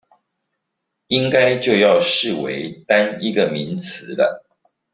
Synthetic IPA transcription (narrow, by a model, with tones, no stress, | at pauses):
i˦˥ŋka˦ɪt͡ɕjo˥˧ʊjɑ˥˨ʊʂɻ̩˥˨wḛ˧˦ɪt̪a˥˦ni˦˥ɡə˨mi˨˦nt͡s̩ʰ˨˦lə̰˦